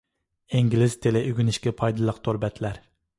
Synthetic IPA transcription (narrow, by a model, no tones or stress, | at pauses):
ɪŋɡʲilɪz̥t̪ʰelɪʔyɡʲynɪʃkʲɛpʰɑjd̪ɨlˠəqt̪ʰoɾbɛt̪ʰlæɾ